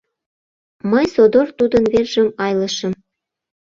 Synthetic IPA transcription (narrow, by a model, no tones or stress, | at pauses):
məjsod̪ort̪ud̪ənβerʒə̆mɑjlɤ̆ʃə̆m